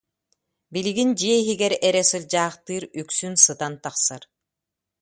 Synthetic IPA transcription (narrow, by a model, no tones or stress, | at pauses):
biliɡind͡ʑiɛiɦiɡɛɾɛɾɛsɯld͡ʑaːχt̪ɯːɾyksynsɯt̪ant̪aχsa̰ɾ